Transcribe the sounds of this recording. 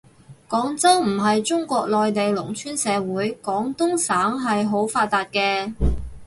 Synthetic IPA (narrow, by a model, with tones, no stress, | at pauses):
kɔː˨˥ŋt͡sɐ˥wm̩˨˩ɦɐ˨jt͡ʃʊ˥ŋkʷɔː˧k̚lɔː˨jt̪e˨jlʊ˨˩ŋt͡ʃʰyː˥nsɛː˨˧wuː˨˥jkɔː˨˥ŋt̪ʊ˥ŋsaː˨˥ŋɦɐ˨jɦo˨˥wfaː˧t̪̚aː˨˧t̚kɛː˧